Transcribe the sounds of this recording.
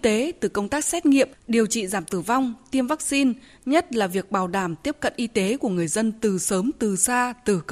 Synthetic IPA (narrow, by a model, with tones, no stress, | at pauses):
t̪e˨˦t̪ɨ˨˩kə˧wŋ͡mt̪aː˦˥k̚sɛ˦˥t̚ŋḭ˧˨əmɗi˨˩əwt͡ɕḭ˧˨zaː˧˩mt̪ɨ˧˩va˧wŋ͡mt̪i˧əmvaː˦˥k̚si˧n | ɲə˦˥t̚laː˨˩vi˨˩ək̚ɓaː˧˩wɗaː˧˩mt̪i˦˥əp̚kə̰˧˨nʔi˧t̪e˨˦ku˧˩əŋɨ˨˩əjzə˧nt̪ɨ˨˩səː˨˦mt̪ɨ˨˩saː˧t̪ɨ˨˩˧